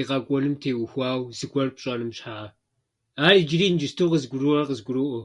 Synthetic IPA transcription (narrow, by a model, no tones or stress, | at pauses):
iqɐkʷʼɔlɨmtʰeːwxʷaːwzɨkʷʰʼɔrpʼɕʼɐnɨmɕħaʕa | aːɾid͡ʒɪɾiːnd͡ʒɪstʰowqəzɡʷʊɾuɐrqəzɡʷʊɾuʔo